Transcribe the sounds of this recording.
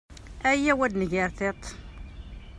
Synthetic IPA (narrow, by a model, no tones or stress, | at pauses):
æjːæwæd̪nəʝəɾθet̪ˤ